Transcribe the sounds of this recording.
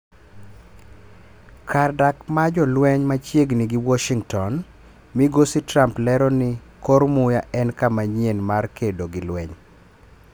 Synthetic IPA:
kʰardakmad͡ʒɔlwɛɲmat͡ʃjeɡnɪɡɪwɔʃiŋtɔn | miɡositɾamplɛɾɔnɪ | koɾmʊjaʔɛnkamaɲjenmarkedoɡɪlwɛɲ

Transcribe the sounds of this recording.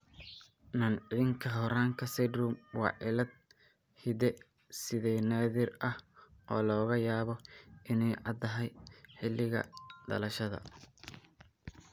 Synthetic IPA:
nɐnʕɪðɪŋkʰɐɦɔɾaːŋkʰɐsɛd̪rumwɑ̰ːʕɪlɐd̪̚ | hɪd̪ɛ | sɪðɛjnaːðɪrɐhʔɔ̰ːlɔːɣɐjaːβɔɪnɛjʕɑd̪ɐɦɐjħɪlːɪɣɐ̰d̪̥ɐ̰lɐʃɐðɐ̰

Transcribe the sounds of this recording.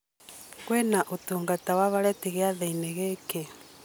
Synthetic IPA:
kwenaʔotuːŋɡatawaβaɾɛteɣeaðaineɣeːke

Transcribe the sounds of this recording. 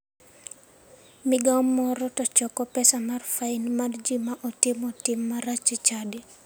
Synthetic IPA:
mɪɡaɔmːɔɾɔtɔt͡ʃɔkɔpɛsamarfainmard͡ʒimaʔɔtɪmɔtɪmːaɾat͡ʃit͡ʃadi

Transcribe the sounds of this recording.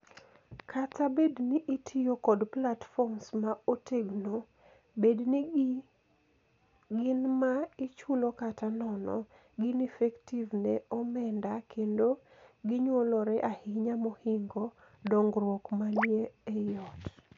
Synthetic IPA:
kʰatabedniʔitʰijokɔdplatfɔrmsmaoteɡno | bed | ɡɪnmaɪt͡ʃulokatanɔnɔ̰ | ɡɪnifɛktivneɔmɛndakʰendo | ɡɪɲwolɔɾɛʔahɪɲamohiŋɡo | dɔŋɡɾwokmanjeejɔt

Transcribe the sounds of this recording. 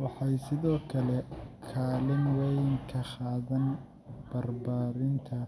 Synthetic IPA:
wɑħɑjsɪðɔːkʰɐlɛkʰaːlɪnwɛjŋkʰɐχɑːðɐn | b̥ɐrbaːɾɪnt̪ʰɐ

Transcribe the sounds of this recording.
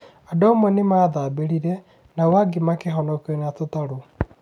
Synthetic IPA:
adɔmwɛnemaːðabeɾiɾɛ | nawaɡemakeɦɔnɔkenat̪ot̪aɾo

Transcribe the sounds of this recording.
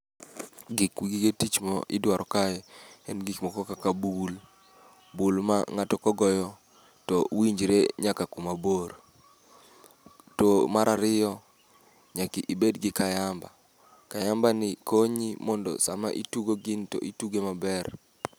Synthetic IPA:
ɡikwiɡiɡetit͡ʃmɔ̰ʔɪdwaɾʔɔkaɛɛnɡikmɔkɔkakabul | bulma̰ŋatɔkɔɡɔjɔ | tɔwiɲd͡ʒɾeɲakakumaboɾ | tomaɾʔaɾɪjɔ | ɲakiʔibedɡɪkajamba | kajambanɪkoɲimɔndɔ̰sama̰ʔituɡoɡɪntɔ̰ʔituɡemabɛr

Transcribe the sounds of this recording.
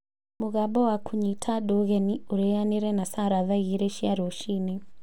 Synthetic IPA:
muɣaɓɔwakʰuɲitʰaɗɔɣɛniuɾɛjaniɾɛnasaɾaðaɣiɾɛʃiaɾɔʃini

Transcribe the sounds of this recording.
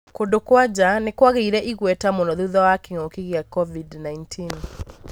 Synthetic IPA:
kondokwad͡ʑanekwaɣeiɾɛʔiɣwɛtamonɔðuuðɔwakeŋokiɣjakɔvidnaintʰin

